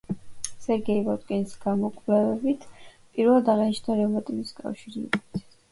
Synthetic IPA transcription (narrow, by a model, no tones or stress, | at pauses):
sɛɾɡɛivɔt̪ʼkʼɛnisɡ̥amɔkʼvlɛvɛbit̪ʰpʼiɾvɛlˠad̪aʁɛniʃnaɾɛvat̪ʼiviskʼa̰fʃiɾḭkʼɔt̪ʰ